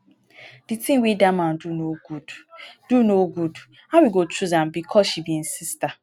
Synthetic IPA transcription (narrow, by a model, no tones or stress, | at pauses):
d̥itĩŋwidaman̩dunoɡudd̥unoɡud | hawiɡot͡ʃuzam̩bikʰɔʃibin̩sista